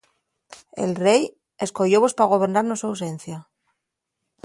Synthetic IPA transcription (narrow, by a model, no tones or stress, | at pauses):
ḛlre̞j | e̞sko̞joβo̞spaɣ̞o̞β̞e̞ɾnaɾnoswaws̬e̞n̟θja